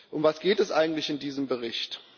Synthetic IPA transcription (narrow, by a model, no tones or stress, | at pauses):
ʔʊmvasɡ̥eːtɛsʔa̰ɪɡŋ̩tlɪçɪndiːzəmbəʁɪçt